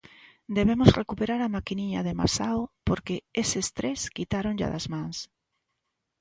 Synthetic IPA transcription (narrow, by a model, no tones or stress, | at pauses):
d̪eβ̞emozrekupeɾaɾamakiniɲaðema̰sawpoɾkeesest̪ɾeskit̪aɾõŋʎa̰ðazmãŋs